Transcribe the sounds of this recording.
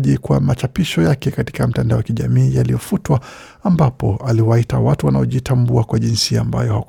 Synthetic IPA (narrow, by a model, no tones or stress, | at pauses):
ʄikwamat͡ʃapiʃɔjakɛkati̥kam̩tandaɔwakiʄa̰miːjalijɔfutwa | ambapɔaliwaitawatuwanaɔʄitambuakwaʄinsiamba̰jɔhak